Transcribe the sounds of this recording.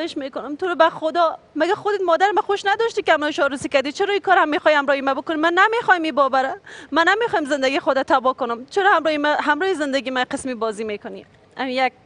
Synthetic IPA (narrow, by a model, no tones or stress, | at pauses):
jeʃmekonʊmt̪oɾobæxod̪ɒ | mæɡæxod̪et̪mɔːd̪æɾmæxoʃnæd̪ɔʃt̪iːkehamɾɔːhiʃɒɾusiːkæɾd̪it͡ʃʰeɾɔːiːkɒːɾhamːexɔːjhæmɾɔhimæbokonimænːæmexɔːhimiːbɔːbæɾɛmænæmexɔːimzend̪æɡiːxod̪at̪ʰæbɔːkonʊmt͡ʃʰeɾɔhamɾɔːhimɦæmɾɔːhizend̪æɡiːmæqesmiːbɔːziːmekonḭ | æmijæk̚